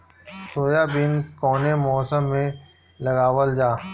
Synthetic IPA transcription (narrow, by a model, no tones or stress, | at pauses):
soːjabɪnkɔːnemɔːsəmːẽ | lɐɡaːwəld͡ʒaː